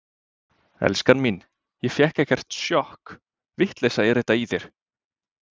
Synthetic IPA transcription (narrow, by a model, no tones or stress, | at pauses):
ɛ̰lskanmin | jɛfjɛhkɛhcɛr̥t̪sjɔhk | vɪht̪lɛjsaɛɾɛht̪aiθjɛɾ̥